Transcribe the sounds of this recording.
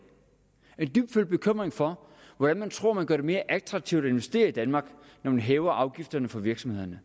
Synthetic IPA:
e̝nd̥yb̥̚d̥fyld̥̚b̥e̝kʰøm̰ʁeŋfɒ̽ | ʋɒd̥ænmænt͡sʰʁo̝ɐ̰mænɡ̥ɶɐːd̥e̝me̝ːɐʔæɡ̥̚t͡sʰʁɑ̈ɡ̥̚t͡sʰiʊd̥æe̝nʋe̝sd̥e̝̰ːɐid̥ænmɑ̈ːɡ̥ | nɒmænɦɛːʊɐʔɑ̈ʊɡ̥ifd̥ɐnəfɒ̽ʋiɐɡ̥sɒ̽mhe̝ð̰ˠɐnə

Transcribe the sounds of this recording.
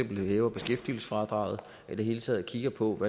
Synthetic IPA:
em̰b̥l̩hɛːʊɐb̥e̝sɡ̥efd̥ilsə̥fʁɑ̈d̥ʁɑ̈ʊð̞̩ˠ | ʔid̥e̝ɦe̝ːlət͡sʰɛ̰ːð̩ˠkʰiɡ̥ɐpʰɒ̽ʋæ

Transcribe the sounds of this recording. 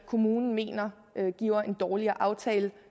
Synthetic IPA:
kʰo̝muːnn̩me̝̰ːnɐ | ɡ̥ḭʊ̰ɐe̝nd̥ɒːliɐʔɑ̈ʊt͡sʰɛːlə

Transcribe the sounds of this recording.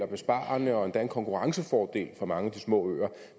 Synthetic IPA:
ɐb̥e̝sb̥ɑ̰̈ːɐnəɒ̽end̥æɐenkʰɒ̽ŋkʰuʁɑ̈ŋsəfɒːd̥e̝̰ːlfʁɑ̈mɑ̈ŋəd̥ismɔ̰ːø̰ːɐ

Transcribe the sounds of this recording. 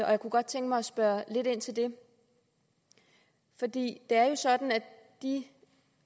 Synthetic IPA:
ɒ̽jäkuɡ̥ɒ̽d̥̚t͡sʰeŋ̰ɡ̥əmɑ̈ɪɒ̽sb̥ɶɐle̝d̥e̝n̰t͡sʰe̝ld̥e̝ | fɒ̽d̥ḭːd̥e̝æɐjo̝sɒ̽d̥n̩æ | d̥i

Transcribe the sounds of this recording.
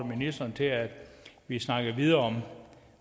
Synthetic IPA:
minisd̥ɐnt͡sʰe̝æd̥ʋisnɑ̈ɡ̥ð̩ˠʋið̞ˠɐɒ̽m

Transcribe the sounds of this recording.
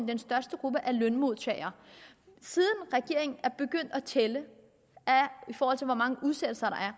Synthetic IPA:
md̥ensd̥ɶɐsd̥əɡ̥ʁub̥əʔæɐlœnmo̝ð̰ˠt͡sʰɛ̰ɪɐ | sið̞ˠən̩ʁɛɡ̥e̝ɐ̰eŋn̩æɐb̥e̝ɡ̥øn̰d̥ɒt͡sʰelə | æifɔːhɒ̽l̰t͡sʰe̝lʋɒmɑ̈ŋəʔuðˠsed̥l̩sɐɾɑ̈æɐ

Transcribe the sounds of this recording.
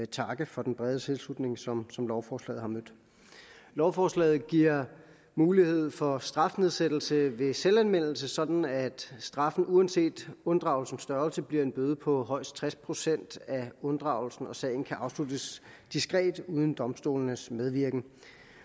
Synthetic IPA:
t͡sʰɑ̈ɡ̥əfɒ̽d̥enb̥ʁɛð̞ˠət͡sʰe̝lslud̥ne̝ŋsɒmsɒ̽mlɒʊfɒːslɛ̰ːð̩ˠhɑ̈mød̥ | lɒʊfɒːslɛ̰ːð̞̩ˠɡ̥iɐ̰ | muːlihe̝ð̞̰ˠfɒ̽sd̥ʁɑ̈fne̝ðˠsed̥l̩səʋe̝selænmen̰l̩səsɒ̽d̥n̩æd̥sd̥ʁɑ̈fn̩uænse̝̰ːd̥ɔ̽nd̥ʁɑ̈ʊlsn̩sd̥ɶɐlsəb̥liɐ̰e̝nb̥øːð̞ˠəpʰɒ̽ɦɒ̽ɪ̰s̚t͡sʰʁɛspʰʁo̝sen̰d̥æɔ̽nd̥ʁɑ̈ʊlsn̩ɒ̽sɛ̰ːɪn̩kʰæʔɑ̈ʊslud̥əs | d̥isɡ̥ʁɛ̰ːd̥uːð̞ˠn̩d̥ɒ̽msd̥o̝̰ːln̩əsmeð̞ˠʋiɐɡ̥n̩

